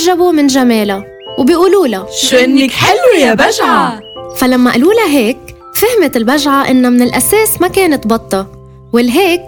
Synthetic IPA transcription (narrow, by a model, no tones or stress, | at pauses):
ʒːabumɪnʒameːla | wbɪjʔuːluːlaʃuʔɪnːɪkħɪlːujabaʒʕafalamːaʔaluːlaɦeːk | fɪhmɪt̪ɪlbaʒʕaʔɪnːamɪnɪlʔaseːsmakeːnɪt̪bɑt̪ˤːɑ | wɪlːɦeːk̚